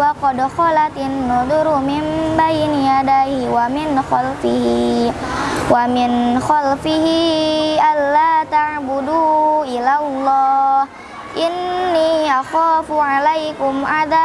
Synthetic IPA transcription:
waqɔdxɔlat̪ɪnːud̪uɾumɪmbajnijadahiwamɪnxalfɪɦi | wamɪnxalfɪɦiʔanːat̪aʕbuduʔilalːɑh | ʔɪnːiʔaxafuʕalajkʊmʔaða

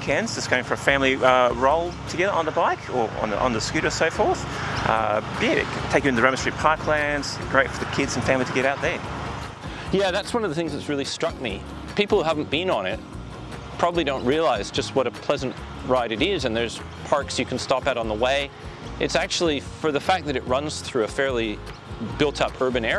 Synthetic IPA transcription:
kʰæ̃nzd͡ʒʌsɡ̥oʊɪ̃ŋfə˞ɨfæ̃mliʌɹoʊlˠtʰɨɡɛðə˞ə̃nðəbaɪkʰə̰˞ə̰̃n̰ʔə̰̃nðɨskʉɾə˞soʊfɔɹθ | ʔʌ̰jɛɪ̰̃tʰeɪkjɨ̃nɨðɨɹɛ̃mɨstɹ̥ipʰɑɹkʰlæ̃ndz̥ɡ̥ɹeɪtfə˞ðɨkʰɪdz̃n̩fæ̃mliɾʰɨɡɛɾaʊt̪̚ðə˞ | jæðætswʌ̃nʌvðəθɪ̃ŋzðɨtsɹɪlˠistɹ̥ʌk̚mi | pipl̩ˠhuɦævn̩b̥ɨ̃nə̃nɪt̚ | pʰɹ̥ɑbəblidõʊ̃nʔ̚ɹiəlaɪzd͡ʒʌst̚wʌɾɨpʰl̥ɛzɨ̃n̩ʔ | ɹaɪɾɨɾɪzɨ̃nðə˞z̥ | pʰɑɹksjɨkʰn̩stɑpɨɾn̩ðəweɪ | ʔɨtsæk̚t͡ʃul̩ˠifə˞ðɨfæk̚ðɨɾɨt̚ɹʌ̃nz̥θɹʉɨfɛɹlˠi | bɪlˠtʰʌpʰɜ˞bɨ̃nɛ

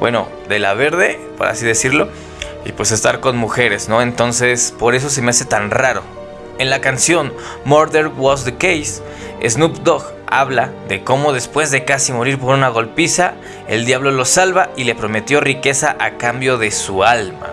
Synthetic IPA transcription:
bwḛno̞̰ | d̪e̞la̰βe̞ɾðe̞po̰ɾa̰siðe̞siɾlo̞ | ipwe̞s̬e̞st̪aɾko̞nmuxe̞ɾe̞zno̞e̞nt̪o̞nse̞spo̞ɾe̞s̬o̞s̬e̞me̞ase̞t̪anraɾo̞̰ | e̞nlakansjo̞n | moɾðeɾwozðekejs | ḛznubd̪oɣ | a̰βlaðe̞ko̞mo̞ðe̞spwe̞zðe̞kasimo̞ɾiɾp̬o̞ɾunaɣ̞o̞lpisa | e̞̰ld̪jaβlo̞lo̞salβaile̞pɾo̞me̞t̪jo̞rike̞saʔakambjo̞ðe̞sualma̰

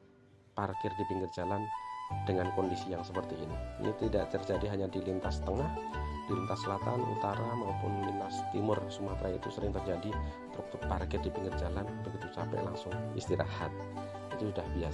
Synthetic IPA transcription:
parkɪrdipiŋɡɪrd͡ʒaland̥əŋankɔndisijaŋsəpərt̪iiniḭnit̪ida̰ʔt̪ərd͡ʒadiɦaɲadilint̪ast̪əŋahd̥ilint̪asːəlat̪anṵt̪aɾamaupʊnlint̪ast̪imʊrsumapɾajḭt̪usəɾɪŋt̪ərd͡ʒadi | t̪ɾuk̚t̪ʊk̚parkɪrdipiŋɡɪrd͡ʒalanbəɡit̪ut͡ʃapɛ̰ʔla̰ŋsʊŋist̪iɾa̰hat̪̚ | it̪usudahbias

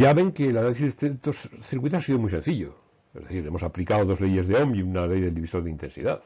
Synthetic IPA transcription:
aβe̞ŋkelanalis̬izet̪et̪osθiɾkwit̪os̬asiðomujse̞nθiʎo̰ | ezðe̞θiɾe̞mo̞saplikaoðo̞zle̞ʝe̞zðeo̞mbiunale̞jðeld̪iβisoɾðeint̪ẽ̞nsḭðaθ

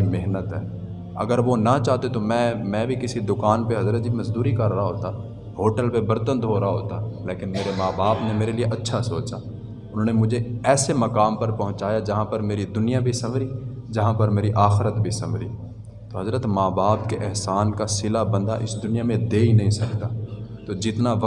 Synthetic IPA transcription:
imeɦnət̪ɦɛː | ɐ̰ɡəɾʋonat͡ʃaːɦt̪et̪omɛ̃ːmɛ̃bʱikɪsid̪ʊkaːnpeɦɐzɾət̪̚d͡ʒʱimɐzd̪uːɾikɐɾːaɦaɦoːt̪a | ɦhoːʈəlpebɐɾt̪ə̃nd̪ɦoːɾaɦoːt̪aleːkɪnmeːɾemaːbaːpnemeːɾelieʔɐtːʃʰasoːt͡ʃaː | ʊnɦõːnemʊd͡ʒʱeɛːsemɐkaːmpɐɾpɐɦʊ̃t͡ʃaːjad͡ʒɐɦãpɐɾmeːɾid̪ʊnijabʱisɐmɾi | d͡ʒɐɦãpɐɾmeːɾiʔaːxɪɾət̪bʱisɐmɾiː | t̪oɦɐzɾət̪maːbaːpkeʔɛɦsaːnkasɪlabɐ̃nd̪aʔɪsd̪ʊnijamẽd̪eːinɐ̃ɦĩsɐkt̪aːt̪od͡ʒɪt̪naʋɐ

